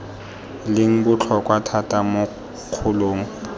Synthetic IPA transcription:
lɪŋ̩bʊt͡ɬʰɔkʼwatʰatʼamʊ | q͡χʰʊloːŋ̩

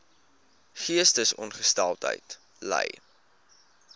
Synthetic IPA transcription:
χiəstəsɔ̰nχəstælˠtə̰jt | lɛ̰j

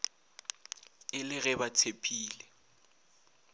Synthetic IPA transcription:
ɪlɪɣɛbatʰepʰʼiːlɛ

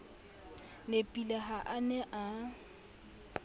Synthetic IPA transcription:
nepʼilaɦaʔanɛʔa

